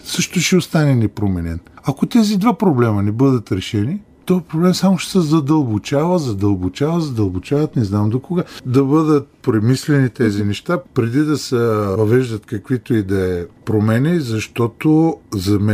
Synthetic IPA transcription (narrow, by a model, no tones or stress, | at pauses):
sɤʃt̪oʃɛost̪anɛnɛpɾomɛnɛnɐkot̪ɛzid̪vapɾoblɛmɐnɛbɤd̪ət̪ɾɛʃɛni | t̪ovpɾoblɛmsamoʃɛ̥sɛzɐd̪ɐlˠbot͡ʃavəzɐd̪ɐlˠbot͡ʃavɐzɐd̪ɐlˠbot͡ʃavɐt̪nɛznamd̪okoɡad̪ɐbɤd̪ət̪̚pɾɛmislɛnit̪ɛzinɛʃt̪apɾɛd̪id̪ɐsɛvɐvɛʒd̪ɐt̪kɐkvit̪oid̪ɐɛpɾomɛnʲizɐʃt̪ɔt̪ozɐmɛ